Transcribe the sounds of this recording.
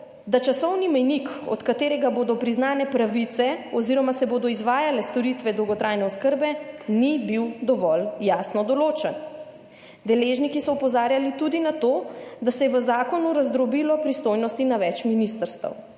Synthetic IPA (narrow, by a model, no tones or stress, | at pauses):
d̪at͡ʃasɔwnimɛjnikɔ̰t̪kat̪eːɾɛɡaboːd̪ɔpɾiznaːnɛpɾaʋit̪sɛɔziɾɔmasɛboːd̪ɔizʋaːjalɛst̪ɔɾit̪ʋɛd̪ɔwɡɔt̪ɾaːjnɛɔskəɾbɛnibiwd̪ɔʋɔljasnɔd̪ɔloːt͡ʃən | d̪ɛleːʒnikisɔɔpɔzaːɾjalit̪ud̪inat̪oːd̪asɛjɛʋəzaːkɔnuɾazd̪ɾɔbilɔpɾist̪ojnɔst̪inaʋɛt͡ʃminist̪əɾst̪ə̰w